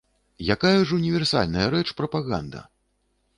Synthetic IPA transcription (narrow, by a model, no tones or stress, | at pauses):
jakajɐʐɐunʲivʲɛrsa̰lʲnɐjɐɾɛt͡ʂpɾɐpaɣa̰nd̪ɐ̰